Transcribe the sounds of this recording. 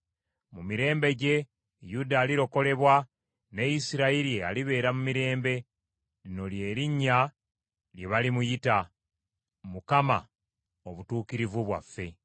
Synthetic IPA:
mumiɾe̞ːmbe̞ɟe̞ | judaːliɾo̞ko̞le̞βwa | ne̞isiɾaiɾiea̰liβe̞ːɾamumiɾe̞ːmbe̞ | lino̞lje̞ːɾiɲːa | lje̞βalimujita | mukama̰ | oβutuːkiɾivuβwa̰fːe̞

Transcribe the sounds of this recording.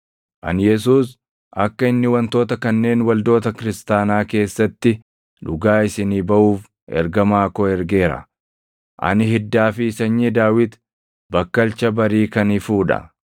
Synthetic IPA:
ʔɐ̰njɛs̬uːs | ʔɐkːɐɪnːɪwɐnt̪o̞ːt̪ɐkɐnːe̞ːnwɐld̪o̞ːt̪ɐkɪɾɪst̪aːnaːke̞ːsːɐt̪ːɪ | ᶑʊɡaːɪsɪniːbɐʔuːf | ɛ̰ɾɡɐmaːkɔɛɾɡe̞ːɾɐ̰ | ʔɐ̰nɪɦɪd̪ːaːfɪːsɐɲːiːd̪aːwɪt̪ | bɐkːɐlt͡ʃɐbɐɾiːkɐnɪfuːᶑɐ̰

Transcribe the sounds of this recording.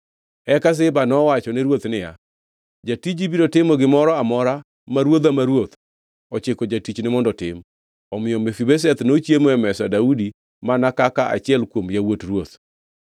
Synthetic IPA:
ɛkas̬ɪbanɔwat͡ʃɔnɛɾwot̪nɪja̰ | d͡ʒatid͡ʒibiɾotɪmɔɡɪmɔɾɔamɔɾa | maɾwod̪amaɾwot̪ | ɔt͡ʃɪkod͡ʒatit͡ʃnɪmɔndɔtɪ̰m | ɔmɪjɔmefibɛs̬ɛt̪not͡ʃjemoɛmɛsadaudi | manakakaʔa̰t͡ʃɪɛlkwomjawotrwot̪̚

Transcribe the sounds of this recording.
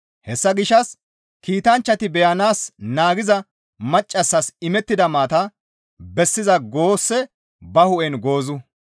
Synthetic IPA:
hɛsːɐɡɪʃɐs | kiːt̪ɐnt͡ʃːɐt̪ɪbɛjɐnaːsnaːɡɪzɐ | mɐt͡ʃʼːɐsːɐsɪmɛt̪ːɪd̪ɐmaːt̪ɐ | bɛsːɪzɐɡoːsːɛ | bɐhʊʔɛnɡo̞ːzʊ

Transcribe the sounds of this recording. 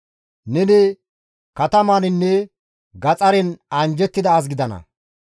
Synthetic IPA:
nɛnɛ | kɐt̪ɐmaːnɪnːɛ | ɡɐt͡sʼɐɾɛnɐnd͡ʒɛt̪ːɪd̪ɐːs̬ɡɪd̪ɐnɐ̰

